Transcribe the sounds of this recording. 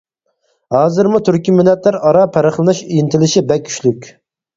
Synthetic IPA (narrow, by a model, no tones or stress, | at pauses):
hɑːzɨɾmut̪ʰyɾkʲʰimynːɛt̪læɾɑɾɑpʰæɾɪχlˠɨnɨʃijint̪ʰɪlɪʃibɛkʲʰːy̥ʃlykʲ